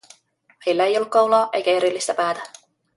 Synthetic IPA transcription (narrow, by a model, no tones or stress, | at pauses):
ejlːæejolːukkɑwlɑːʔe̞̰jkæe̞ɾilːist̪æpæːt̪æ